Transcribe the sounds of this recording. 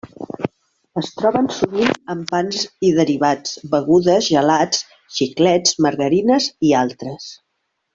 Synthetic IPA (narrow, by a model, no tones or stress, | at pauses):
əst̪ɾɔβənsuβinəmpanziðəɾiβ̞at͡sbəɣ̞uðəzʒəlat͡s | ʃiklɛd͡zməɾɣəɾinəzialˠt̪ɾəs